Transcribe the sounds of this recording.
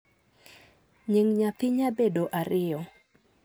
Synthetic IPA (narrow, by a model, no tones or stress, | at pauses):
ɲiŋɲat̪ɪɲabedoʔaɾɪɔ